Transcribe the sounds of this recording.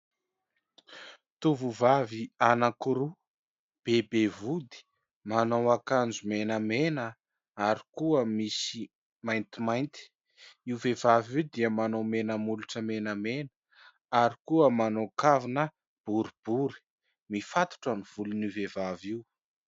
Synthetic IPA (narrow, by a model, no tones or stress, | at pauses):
t̪uvuvavianakuɾu | b̥ebevud̪i̥ | manowakand͡zumenəmenə | aɾikuəmisi | majnt̪imajnt̪i̥ | iwvevaviwd̪iəmanomenəmuluʈ͡ʂəmenəmenə̥ | aɾikuəmanokavinə | b̥uɾib̥uɾi̥ | mifat̪u̥ʈ͡ʂəniv̥ulunivevaviw